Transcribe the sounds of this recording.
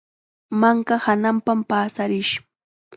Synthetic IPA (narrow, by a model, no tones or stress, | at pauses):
maŋkahanampampaːsaɾɪʃ